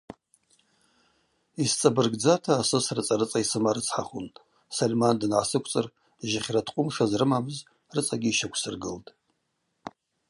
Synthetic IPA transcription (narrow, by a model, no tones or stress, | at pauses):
ist͡sʼabɨrɡd͡zatʰaːsɨsrɨt͡sʼaɾɨt͡sʼaisɨmaɾɨt͡sʰħaχunʼ | salʲmandnʕasɨkʷʰʼt͡sʼɨr | ʒɪχʲratʰqʷʼʊmʂazrɨmamɨz | rɨt͡sʼaɡʲiːʃakʷʰsɨrɡɨltʼ